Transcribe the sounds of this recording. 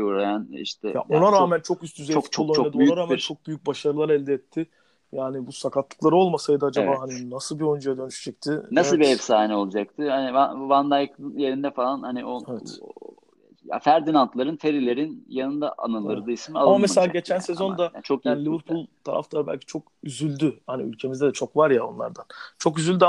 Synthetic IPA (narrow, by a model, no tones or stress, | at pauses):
uɾajanḭʃt̪ʰɛ̰ja̰onaɾaːmænt͡ʃʰokyst̪ʰyzɛokt͡ʃʰulːˠant͡ʃʰoad̪oyjyaɾaːmnt͡ʃʰo̞k̚byjyc̚baʃaɾɯlˠaɾɛlʲd̪ɛɛt̪ʰːɪ | jaːnibusakat̪lˠɯklˠaɾɯo̞lˠmasajd̪ɯad͡ʒabaːɦaninasɯlˠbiond͡ʒajad̪ønyʃy̥d͡ʒɛc̚t̪ʰɪnasɯlbiɛvsaːnɛo̞lˠud͡ʒak̚t̪ʰɯhanivavand̪ajkʰɯnje̞ɾind̪ɛfalˠanhaniʔoɛvɛt̪ | ja̰fæɾd̪inant̪lˠaɾɯnfʰeɾilʲe̞ɾinjanɯnd̪a̰ʔa̰nɯlˠɯɾd̪ɯismialˠmameselʲaːɟet͡ʃʰænsezo̞nd̪aat͡ʃʰo̞knlʲivɯɾpʰulˠt̪ʰaɾʔa̰ft̪ʰaɯbæ̰lʲcʰi̥t͡ʃʰo̞kyzylʲd̪yhanḭy̰lʲcʰe̞mizd̪ɛd̪ɛt͡ʃʰo̞kvaɾjaonlˠa̰ɾd̪ant͡ʃʰo̞kyzylʲd̪y